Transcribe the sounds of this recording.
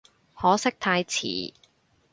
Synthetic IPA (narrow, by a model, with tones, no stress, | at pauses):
hɔː˨˥sɪ˥k̚t̪ʰaː˧jt͡sʰḭː˨˩